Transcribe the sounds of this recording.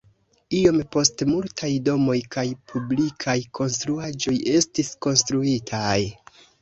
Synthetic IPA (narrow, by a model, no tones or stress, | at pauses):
io̞mpo̞stemultʰajdo̞mo̞jkajpʰublikʰajkʰo̞nstɾuad͡ʒo̞je̞stisko̞nstɾuitʰaj